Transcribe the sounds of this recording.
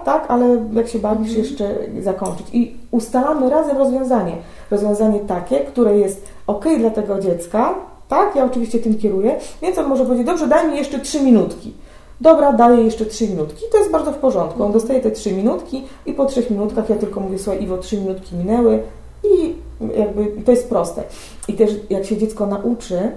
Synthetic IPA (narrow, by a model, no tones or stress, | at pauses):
t̪akalɛjakɕɛbaɾd͡ʑiʂjɛʂt͡ʂɛzakɔɲt͡ʂɘt͡ɕiust̪alamɘɾazɛmvɾɔzvʲjɔ̃w̃zaɲɛ | ɾɔzvʲjɔ̃zaɲɛt̪akʲɛkt̪uɾɛjɛst̪ | ɔkɛjd̪lat̪ɛɡɔd͡ʑɛt̪ska | t̪akjaɔt͡ʂɨvʲiɕt͡ɕɛt̪ɘmkʲɛɾujɛvʲjɛnɔnmɔʐɛpɔvʲjed͡ʑed͡ʑd̪ɔbʐɛd̪ajmʲijɛʂt͡ʂɛtʂɘmʲinut̪kʲi | d̪ɔbɾad̪ajɛjɛʂt͡ʂɛtʂɘmʲinut̪kʲit̪ɔjɛsd̪baɾd̪zɔfpɔʐɔnt̪̚kuɔnd̪ɔst̪ajɛt̪ɛtʂɘmʲinut̪kʲi | ipɔtʂɛxmʲinut̪kaxjat̪ɘlkɔmuvʲjɛsuvajʔivɔtʂɘmʲinut̪kʲimʲinɛwɘ | i | jʔaɡ̚bɘit̪ɔjɛst̪̚pɾɔst̪ɛ̰ | it̪ɛʂjakɕɛd͡ʑɛt̪skɔnaʔut͡ʂɘ